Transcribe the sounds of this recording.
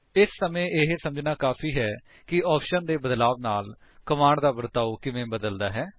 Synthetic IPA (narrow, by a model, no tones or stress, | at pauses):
ɪsːəmẽːʔɪɦsəməd͡ʒnaːkaːpʰiːɦɛː | kɪɔːpʰʃənd̪eːbəd̪laːʋnaːl | kəmaːɳɖd̪aːbəɾt̪aːoːkɪʋẽːbəd̪əld̪aːɦɛː